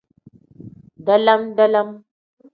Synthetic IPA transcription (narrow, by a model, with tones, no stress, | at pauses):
da˦la˦mda˦la˦m